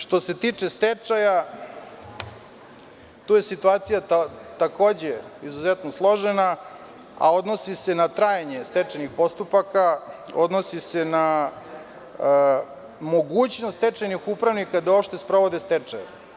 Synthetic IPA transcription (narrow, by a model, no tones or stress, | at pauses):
ʂt̪o̞se̞t̪iːt͡ʂest̪et͡ʂaja | t̪uːjesit̪uaːt̪sijat̪ako̞ːd͡ʑeizuzet̪noslˠo̞ʒena | a̰o̞d̪nosisenat̪ɾaːjeɲe̞st̪et͡ʂanixpo̞st̪upaka | o̞̰d̪nosise̞na | mo̞ɡuːt͡ɕnost̪t̪et͡ʂanixupɾaʋnikad̪ao̞pʃt̪espɾo̞ʋo̞d̪est̪et͡ʂaja̰